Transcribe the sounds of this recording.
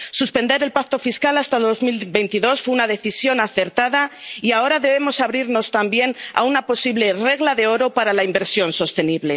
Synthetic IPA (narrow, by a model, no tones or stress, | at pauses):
suspe̞nd̪e̞ɾe̞lpak̚t̪o̞fiskalast̪aðo̞zmilbe̞jnt̪iðo̞sfweunaðe̞θisjo̞naθe̞ɾt̪aðaiao̞ɾaðe̞β̞e̞mo̞saβɾiɾno̞st̪ambje̞na̰unapo̞siβle̞re̞ɣlaðe̞o̞ɾo̞paɾalaimbe̞ɾsjo̞nso̞st̪e̞niβle̞